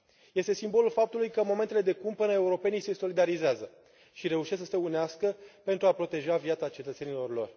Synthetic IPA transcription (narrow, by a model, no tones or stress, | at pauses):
je̞st̪e̞simbo̞lulfap̚t̪ulujkəmo̞ment̪ele̞d̪e̞kumpːɨnəe̞uɾo̞pe̞nijse̞so̞lid̪aɾizeazə | ʃiɾe̞uʃessəseuneaskəpe̞nt̪ɾuapɾo̞t̪e̞ʒaviat̪sat͡ʃe̞t̪ət̪se̞nilo̞rlo̞̰r